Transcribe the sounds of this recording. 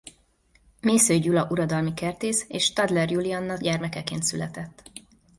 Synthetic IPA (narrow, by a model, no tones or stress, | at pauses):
meːsøːɟulɒʔuɾɒd̪ɒlmikɛrt̪eːseːʃt̪ɒd̪lɛrjuliɒnːɒɟɛrmɛkɛkḛːnt̪sylɛt̪ɛt̪ː